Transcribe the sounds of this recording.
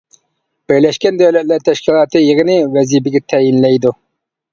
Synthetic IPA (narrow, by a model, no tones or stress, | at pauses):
b̥ɪɾlɛʃkʲɛnd̪æwlɛt̪̚læɾt̪ʰːɛʃkʲʰilˠɑːt̪ɨjəʁənɪwɛzibɪɡʲɛt̪ʰɛjinlɛjd̪u